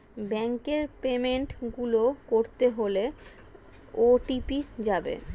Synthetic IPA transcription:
bɛŋkeɾpemeɳʈɡulokoɾt̪eɦole | oʈipid͡ʑabḛ

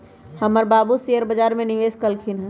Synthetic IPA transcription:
həməɾbaːbusejəɾbəd͡ʒaːɾmẽnɪʋeːskəlkʰinɦɛ̃

